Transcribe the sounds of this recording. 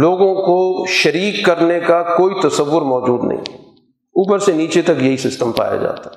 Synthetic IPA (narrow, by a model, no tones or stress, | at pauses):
loːɡõkoʃɐɾiːkːɐɾnekakoːit̪ɐsəʋːʊɾmɔːd͡ʒuːd̪nɐ̰ɦḭ̃ | uːpəɾseniːt͡ʃet̪ɐkjɐɦisɪsʈəmpa̰ːja̰d͡ʒa̰ːt̪a